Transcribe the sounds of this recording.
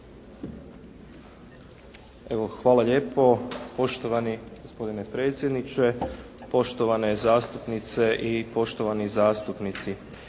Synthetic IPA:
e̞ʋoxʋaːlaʎe̞ːpo̞po̞ʃt̪o̞ʋaniɡospo̞d̪ine̞pɾe̞ːt̪sjed̪nit͡ʃe̞ | po̞ʃt̪oʋane̞zaːst̪upnit̪se̞ʔipo̞ʃt̪o̞ʋanizaːst̪upnit̪si

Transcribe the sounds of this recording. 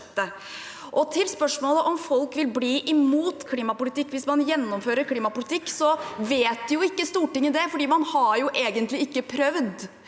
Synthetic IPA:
t̪ːə | ʔɔt̪ʰɪlspœʂmoːləʔɔmfɔlkʋɪlbliːʔɪmuːt̪kʰliːmɑpʊlɪt̪ɪkːʋɪsmɑnjɛnːɔmføːɾəɾkʰliːmɑpʊlɪt̪ʰɪkːsɔʋeːt̪̚d̪ɛjʊɪkːəst̪uːʈɪŋːəd̪ɛfɔɖiːmɑnhɑɾjʊʔeːɡənt̪lɪɪkːəpʰɾœʋd̪

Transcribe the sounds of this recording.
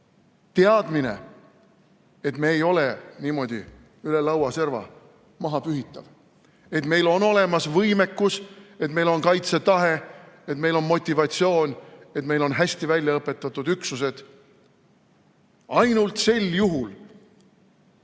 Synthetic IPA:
t̪eɑd̪mine̞̰ | e̞t̪me̞ːjo̞leniːmo̞d̪̥ʲḭ | ylelɑwɑse̞rvɑ̰ | mɑɦɑpyɦit̪ːˑɑv | e̞t̪me̞jlo̞no̞le̞mɑsvɤjme̞kːuse̞t̪me̞jlo̞nkɑjt̪se̞t̪ɑɦe̞et̪mejlo̞nmo̞t̪ʲːˑivɑt̪ʲsio̞ːnʲe̞t̪me̞jlo̞nɦæsʲt̪ivælʲjɑɤpːˑe̞t̪ːˑɑt̪ːˑud̪̥yksus̬e̞d̪̥ | ɑjnult̪se̞ljuɦul

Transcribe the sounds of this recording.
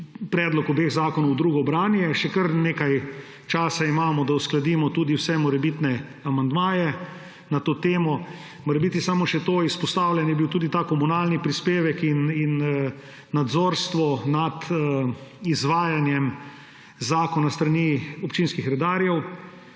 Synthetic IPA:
pɾɛːd̪lɔkɔbeːɣzaːkɔnɔwd̪ɾuːɡɔbɾaːnjɛʃɛkəɾneːkaj | t͡ʃaːsaimaːmɔd̪ausklad̪iːmɔt̪uːd̪iwsɛmɔɾɛbit̪nɛ | amand̪maːjɛ | nat̪oːt̪eːmɔ | mɔɾɛbit̪isamɔʃɛt̪oːispɔst̪aːwlʲɛnjɛbiwt̪uːd̪it̪aːkɔmunaːlnipɾispeːʋɛkininː | ad̪zoːɾst̪ʋɔnad̪ | izʋaːjanjɛm | zaːkɔnast̪ɾaniːɔpt͡ʃiːnskixɾɛd̪aːɾjɛw

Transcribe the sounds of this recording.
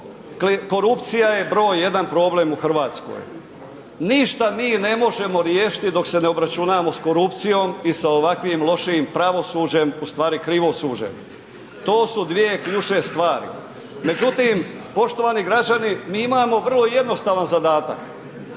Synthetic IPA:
kiko̞ɾupt̪sijaje̞bɾo̞ːjje̞d̪anpɾo̞ːble̞muxr̩ʋaːt̪sko̰j | niʃt̪amiːne̞mo̞ʒe̞mo̞ɾjeːʃi̥t̪id̪o̞kse̞neo̞bɾat͡ʃunaːmo̞sko̞ɾupt̪sijo̞ːmisaoʋakʋimlˠo̞ʃiimpɾaʋo̞suːd͡ʑe̞must̪ʋaːɾikɾiʋo̞suːd͡ʑe̞̰m | t̪o̞ːsud̪ʋie̞kʎut͡ʃe̞st̪ʋaːɾḭ | me̞d͡ʑut̪im | po̞ʃt̪o̞ʋaːniɡɾad͡ʑanimiːimaːmo̞ʋər̩lˠo̞je̞d̪no̞st̪aːʋanzad̪aːt̪a̰k

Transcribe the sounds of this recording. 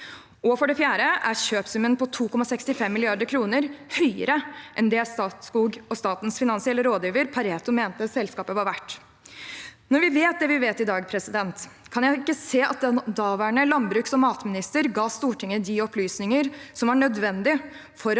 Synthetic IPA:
ɔfɔɖɛfjæːɾəʔæɾɕøːpsʉmənpʰɔt̪ʰuːkʰɔmɑsɛkst̪ɪfɛmːɪlɪɑɾd̪əɾkʰɾuːnəɾhœʏə̰ɾəʔɛnd̪ɛæst̪ɑːt̪skuːɡɔst̪ɑːt̪nsfɪnɑnsɪɛlːəɾoːd̪jiːʋəɾpʰɑɾeːt̪ʊmeːnt̪əɑt̪sɛlskɑːpəʋɑɾʋæʈː | nɔɾʋɪʋeːt̪̚d̪ɛʋɪʋeːt̪ɪd̪ɑːɡpʰɾɛsɪd̪ɛnt̪ | kʰɑnjæɪɪkːəseːʔɑ̰t̪̚d̪ɛd̪ɑːʋæːɳəlɑnbɾʉːksɔmɑːt̪mɪnɪst̪əɾɡɑːst̪uːʈʰɪŋːəd̪iɔplyːsnɪŋəɾsɔmʋɑɳœd̪ʋɛnd̪ɪ | fɔɾ

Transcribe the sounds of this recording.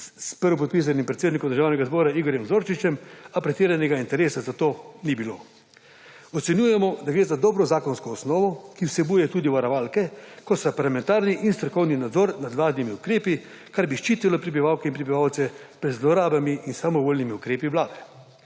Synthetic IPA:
spəɾɔp̬ɔt̪̚pis̬animpɾɛt̪seːd̪nikɔmd̪əɾʒaːwnɛɡazbɔːɾaiːɡɔɾjɛmzoːɾt͡ʃit͡ʃɛmapɾɛt̪iːɾanɛɡaint̪ɛɾeːsazat̪oːnibiloː | ɔt̪sɛnjuːjɛmɔd̪aɡɾeːzad̪ɔːbɾɔzaːkɔnskɔːsnɔːʋɔkiwsɛbuːjɛt̪uːd̪iʋaɾɐʋaːlkɛkɔt̪st̪apaɾlamɛ̃nt̪aːɾniʔinst̪ɾɔkɔwninad̪zɔɾnad̪ʋlaːd̪nimiukɾeːpi | kaɾbiʃt͡ʃiːt̪ilɔpɾɛbiʋaːwkɛinpɾɛbiʋawt̪sɛpɾɛd̪zlɔɾaːbamiʔinsamɔʋoːlʲnimiukɾeːpiʋlaːd̪ɛ

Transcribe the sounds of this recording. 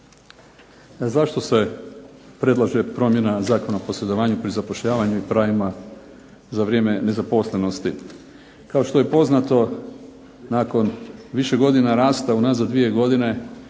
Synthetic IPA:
zaʃt̪o̞se̞ | pɾe̞d̪lˠaʒe̞pɾo̞mje̞nazaːko̞naopo̞sle̞d̪o̞ʋaːɲupɾizapo̞ʃʎaːʋaɲuipɾaʋima | zaʋɾjeme̞nezapo̞slˠe̞no̞st̪i | kao̞ʃt̪oje̞po̞znat̪o̞ | naːko̞nʋiʃe̞ɡo̞d̪inaɾaːst̪aunazad̪ʋie̞ɡo̞d̪ine̞

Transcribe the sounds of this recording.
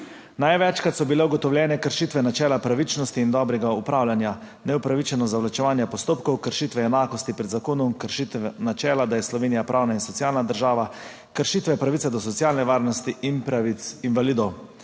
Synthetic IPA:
najʋɛt͡ʃkat̪sɔbilɛuɡɔt̪ɔwlʲjɛːnɛkəɾʃiːt̪ʋɛnat͡ʃɛːlapɾaʋit͡ʃnɔst̪iːnd̪ɔːbɾɛɡaupɾaːwlʲjanja | nɛupɾaʋit͡ʃɛnɔzaʋlat͡ʃɛʋaːnjɛpɔst̪oːpkɔwkəɾʃit̪ʋɛɛnaːkɔst̪ipɾɛd̪zakoːnɔmkəɾʃit̪ɛnat͡ʃɛːlad̪ajɛslɔʋeːnijapɾʔaːwnainsɔt̪sjaːlnad̪əɾʒaːʋa | kəɾʃiːt̪ʋɛpɾaʋit̪ad̪ɔsɔt̪sjaːlnɛʋaːɾnɔst̪iʔinpɾaiinʋaliːd̪ɔw

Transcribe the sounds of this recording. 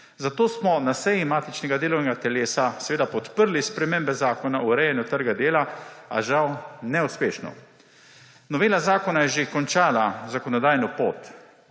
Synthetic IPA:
zat̪oːsmɔnasɛjimaːt̪it͡ʃnɛɡad̪eːlɔwnɛɡat̪ɛleːsasɛʋeːd̪apɔt̪pəɾlispɾɛmembɛzaːkɔnauɾɛjɛnjut̪əɾɡad̪eːlaa̰ʒawnɛuspeːʃnɔ̰ | nɔʋeːlazaːkɔnajɛʒekɔnt͡ʃaːlazakɔnɔd̪aːjnɔpoːt̪

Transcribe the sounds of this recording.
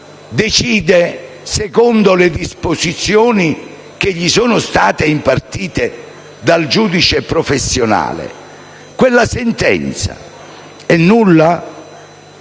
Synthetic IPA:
d̪et͡ʃiːd̪e | sekɔnd̪ʊled̪ispozit̪sːjoːni | k̟eʎːisoːnʊst̪aːt̪eimpart̪iːt̪e | d̪ald͡ʒuːd̪it͡ʃepɾofesːjona̰ːlḛ | kwelːasent̪ɛ̰nt̪sa̰ | ɛnːulːa

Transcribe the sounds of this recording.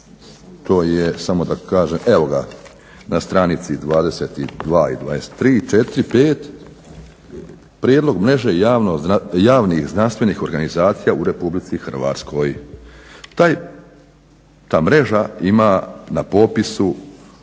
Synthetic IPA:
t̪ʰo̞ːjesamo̞d̪akaːʒeːmeʋo̞ɡa̰ | nast̪ɾanit̪sid̪ʋaːd̪e̞seːt̪id̪ʋaːḭd̪ʋaːd̪ese̥t̪ːɾiːt͡ʃet̪ɾipeːt̪ | pɾjeːd̪lo̞ɡmɾe̞ʒejaːʋnojaːʋnixznanst̪ʋe̞niːxo̞ɾɡanizaːt̪sijauɾe̞publit̪sixr̩ʋa̰ːt̪skʰo̞j | t̪aj | t̪aːmɾe̞ʒaimanapo̞pisu

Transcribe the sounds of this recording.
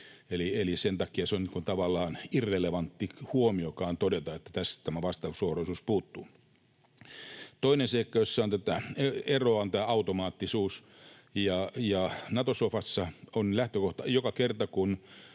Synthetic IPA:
elielisent̪ɑkiɑseoniːŋkunt̪ɑʋɑlːˑɑːnirːeleʋɑnt̪ːihuomiokɑːnt̪odet̪ɑet̪ːæ̥t̪æstæt̪æmæʋɑst̪ɑusohroisuːspuːt̪ːuː | t̪oinenseikːɑjosːɑont̪æt̪æeeroɑont̪æːɑut̪omɑːt̪ːisuːs | jɑjɑnɑt̪osofɑsːɑonlæht̪økoht̪ɑjokɑkert̪ɑkun

